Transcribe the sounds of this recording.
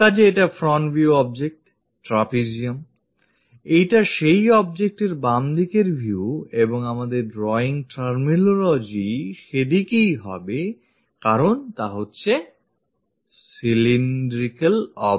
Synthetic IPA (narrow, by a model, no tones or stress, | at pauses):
t̪ad͡ʑeeʈafɾɔɳʈbʱiuɔb̚d͡ʑek̚ʈ | ʈɾapid͡ʑiom | ejʈaʃejɔb̚d͡ʑek̚ʈeɾbamd̪ikeɾbʱiueboŋamad̪eɾɖɾɔiŋʈaɾminolod͡ʑiʃed̪ikejɦɔ̰be | kaɾont̪aɦotːɕʰe | silinɖɾikalɔ